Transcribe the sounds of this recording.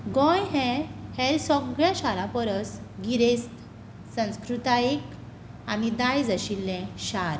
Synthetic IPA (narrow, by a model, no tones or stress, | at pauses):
ɡɔ̃jɦɛ̃hɛlsɔɡɭjaɕaɾãpəɾəsɡiɾest̪ | sə̃w̃skɾut̪aik | anid̪ajd͡zəɕilːɛ̃ɕaɾ